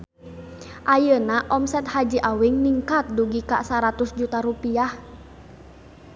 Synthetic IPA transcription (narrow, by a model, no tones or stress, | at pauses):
ʔajənaʔɔmsɛt̪̚had͡ʒiʔawiŋniŋkat̪̚duɡika̰saɾat̪usd͡ʒut̪aɾupiah